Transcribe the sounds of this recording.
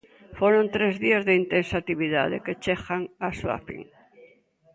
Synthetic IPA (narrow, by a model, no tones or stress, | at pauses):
foɾõnt̪ɾezðiazðeint̪ensat̪iβiða̰ðḛket͡ʃexaŋaswa̰fḭŋ